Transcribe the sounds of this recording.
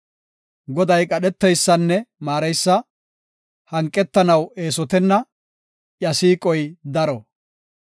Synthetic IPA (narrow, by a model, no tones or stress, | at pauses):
ɡɔd̪ɐjkʼɐɗɛt̪ːɛjsːɐnːɛmaːɾɐjsːɐ | hɐŋkʼːɛt̪ːɐnɐwe̞ːsɔt̪ɛnːɐ | ʔjɐsiːkʼɔjd̪ɐɾɔ